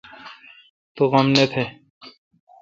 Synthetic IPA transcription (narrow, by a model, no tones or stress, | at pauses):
t̪oɣɐmnet̪ʰe